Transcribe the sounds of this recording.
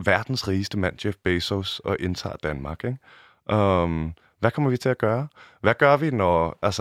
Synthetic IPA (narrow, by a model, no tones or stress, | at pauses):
ʋæɐ̰d̥n̩sʁiːsd̥əmæn̰ɕefb̥eɪsosɒ̽ʔe̝nt͡sʰɑ̰̈ːd̥ænmɑ̈ɡ̥eɡ̥ | ʔøm | ʋækʰɒ̽m̰ɐʋit͡sʰe̝læɡ̥ɶːɐʋæɡ̥ɶɐʋinɒælsə